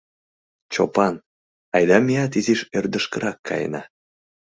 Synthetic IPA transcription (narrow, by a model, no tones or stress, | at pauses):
t͡ɕopɑn | ɑjd̪ɑmʲijɑt̪iziʃørd̪əʃkəɾʔɑkʰːɑ̰jḛnɑ̰